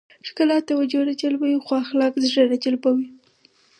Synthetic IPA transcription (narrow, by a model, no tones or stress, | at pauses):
ʂkəlɑt̪awad͡ʒoɾad͡ʒalbawixwɑxlɑkzʐəɾad͡ʒalbawi